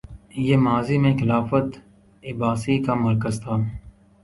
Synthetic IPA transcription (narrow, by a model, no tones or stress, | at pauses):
jeːmaːzimẽxɪlaːfət̪ | ɪbaːsikamɐɾkəzt̪ʰaː